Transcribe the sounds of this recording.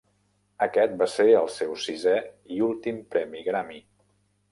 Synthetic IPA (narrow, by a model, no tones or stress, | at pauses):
əkɛt̪̚baseɾəlˠsewsizɛiulˠt̪impɾɛmiɣɾami